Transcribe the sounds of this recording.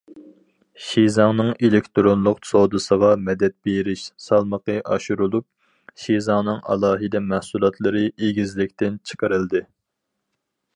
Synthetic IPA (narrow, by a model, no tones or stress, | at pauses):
ʃizɑŋnɨŋelɪkʲt̪ɾonlˠʊqsod̪ɨsəʁɑmɛd̪ɛt̪̚beɾɪʃsɑlˠməqəʔɑ̰ʃuɾulˠup̚ | ʃizɑŋnɨŋɑ̰lˠɑːɦɨd̪ɛmæhsulˠɑt̪ʰlˠɨɾɨʔeɡʲizlɪkʲt̪ɪnt͡ʃʰə̥qəɾɨld̪ɨ